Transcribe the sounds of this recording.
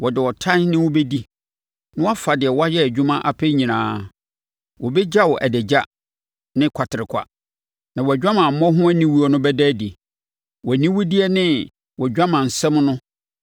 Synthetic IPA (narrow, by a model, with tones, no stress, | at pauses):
wɔ˨dɪ˨wɔ˨tʰã˦nnɪ̃˦wɔ˦be˦di˦ | nʊ̃˦wa˦fa˨dɪ˨ɛ˨wɔ˦a˦jɛ˦æ˨d͡ʑᶣu˦mã˦ʔa˦pʰɛ˦ɲĩ˨nãː˦ | wɔ˨bɛ˦d͡ʑa˦wɔ˨ʔæ˨dɛ˨d͡ʑa˦ | nɪ̃˦kʷʰa˨tʰɪ˨ɾɪ˨kʷʰa̰˨ | nã˨wɔ˨d͡ʑᶣã˦mã˨m̩˨mɔ̃˦ɦʊ̃˦æ˦nĩ˦wu˦ɔ˨nʊ̃˦bɛ˦dæ˦di˨ | wɔ˨nĩ˦wʊ˦di˦ɛ˦nɪ̃˦ | wɔ˨d͡ʑᶣã˦mã˨n̩˨sɛ̃˦m˦nʊ̃˦